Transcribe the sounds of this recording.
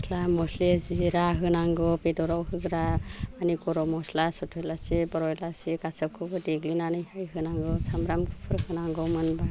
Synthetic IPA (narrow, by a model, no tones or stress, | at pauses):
slamɔsleziɾaɦɯnaŋɡɔwpedɔɾawhɯɡɾaanikɔɾɔmɔslasɔtʰɔjlasebɔɾɔjlasekasɯp̚kʰɔbɔdeɡlinanɯjhajɦɯnaŋɡɯsʰamɾamkʰɯpʰɯɾhɯnaŋɡɔmɯnba